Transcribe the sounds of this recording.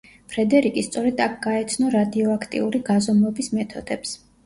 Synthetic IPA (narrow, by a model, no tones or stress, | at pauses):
pʰɾɛd̪ɛɾikʼist̪sʼɔɾɛd̪ak̚ʰɡ̥aɛt̪sʰnɔɾad̪iɔakʰt̪ʼḭuɾiɡazɔmɛbismɛt̪ʰɔd̪̥ɛps